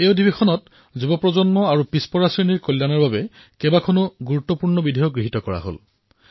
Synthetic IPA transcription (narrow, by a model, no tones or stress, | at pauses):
eʊdibexʰɔnɔt | zubɔpɹɔzɔnmɔaɹupispɔɹasɹiniɹkolːjanɔɹbabɛ | kɛbakʰonuɡuɹutːɔpuɹnɔbidʱejɔɡɹiɦitɔkɔɹa̰ɦo̰l